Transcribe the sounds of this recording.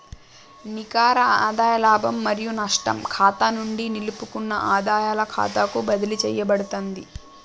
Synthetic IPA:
nikaːɾɐaːd̪aːjɐlaːbɐmːɐɾijunɐʂʈɐ̰mkʰaːt̪anuɳɖinilupukunːɐʔaːd̪aːjaːlɐkʰa̰ːt̪akubɐd̪ilit͡ʃɛ̰ːjːɐbɐɽut̪ond̪i

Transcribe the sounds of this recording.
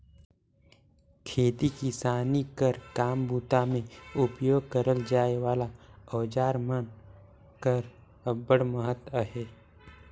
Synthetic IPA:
kʰeːt̪ikisaːnikəɾkaːmbuːt̪amẽʊpjoːɡ̚kəɾəld͡ʒaːeʋaːlaɔːd͡ʒaːɾmən | kəɾ | əbəɽməɦət̪əɦeː

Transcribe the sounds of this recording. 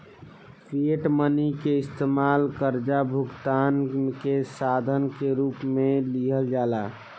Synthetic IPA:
pʰɾieʈmənikeɪst̪eːmaːlkəɾd͡ʒabʱʊɡt̪aːnkesaːd̪ʱənkeɾuːpmẽliɦəld͡ʒaːlaː

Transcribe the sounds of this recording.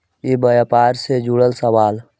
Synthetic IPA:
ibəjapaːɾsed͡ʒuɽəlsəwaːl

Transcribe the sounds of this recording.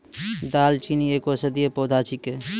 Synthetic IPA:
d̪aːlt͡ʃʰinieːkosɐd̪ijepoːd̪ʱaːt͡ʃʰike

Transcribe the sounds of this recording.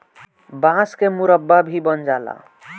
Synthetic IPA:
bãskemuɾəbːabʱibənd͡ʒala̰

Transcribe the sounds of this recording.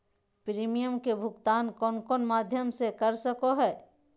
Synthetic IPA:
pɾiːmijəmkebʱʊɡt̪aːnkɔːnkɔːnmaːd̪ʱjəmsekəɾsəkoɦɛː

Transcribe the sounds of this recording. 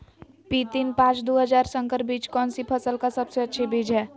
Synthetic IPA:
pit̪inpãt͡ʃd̪uɦəd͡ʒaɾsəŋkəɾbit͡ʃkɔnsipʰəsəlkasəbseətːʃʰibid͡ʒʱɦɛ

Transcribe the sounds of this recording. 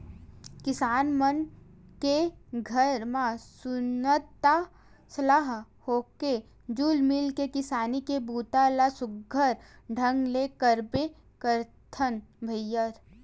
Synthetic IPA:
kɪsaːnmənkeɡʱəɾmãsʊnət̪ːa | səlaɦ | hoːke | d͡ʒuːlmɪlkekɪsaːnikebuːt̪alasʊɡʱːəɾɖʱə̃ŋɡleːkəɾbe | kəɾt̪ʰənbʱəjːəɾ

